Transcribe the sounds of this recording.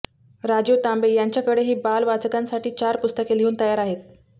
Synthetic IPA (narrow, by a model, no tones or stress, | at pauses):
ɾad͡ʑut̪ambejaɲt͡ɕjakəɽeɦiːbalʋat͡səkansaʈiːt͡ɕaɾpust̪əkeleuːnt̪əjaɾaɦet̪̚